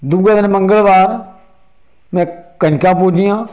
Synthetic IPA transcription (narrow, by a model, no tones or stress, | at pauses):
d̪uɡaːd̪nmə̃ŋɡəlʋaːɾ | mɛ̃ːkənkãːpʊːd͡ʒijãː